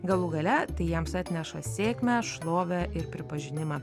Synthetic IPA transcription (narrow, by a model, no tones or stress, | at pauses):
ɡɐlˠʊɡɐlʲɛt̪ɐɪjɛmsɑt̪ʲnʲɛʃɐsʲeːkʲmʲæʃlˠoːʋʲɛʔɪɾpʲɾʲɪpɐʒʲɪnʲɪmɑː